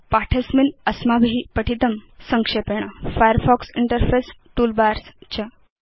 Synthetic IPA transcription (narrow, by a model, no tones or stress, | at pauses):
paʈʰesminəsmabʱɦipəʈʰit̪əmsəŋkʂepeɳ̃afajəɾfɔksiɳʈəɾfesʈuːlbaɾst͡ɕə